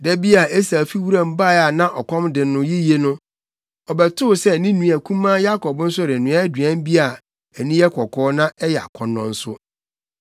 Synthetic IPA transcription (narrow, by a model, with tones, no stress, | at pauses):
dɛ˦bi˦a˨e˦sa˨fi˦wu˦ɾã˦m̩˦˨ba˦a˨nã˦ʔɔ˨kɔ̃˦mdɪ˨nʊ̃˦ji˦je˦nʊ̃˦ | ɔ˨bɛ˨tʰʊ˦˨sɛ˦˨nĩ˦nũ˨æ˨kʰũ˦mã˦ja˦kʰɔ˨bn̩˦sʊ˦˨ɾɪ˨nʊ̃˨˦a˦dɥæ̃˦m˦bi˦a˨ | æ˨nĩ˦jɛ˦kʰɔ˨kʰɔː˦nã˦ɛ˦jɛ˨a̰˨kʷʰɔ̃˨nːɔ̃˨n̩˦sʊ̰˦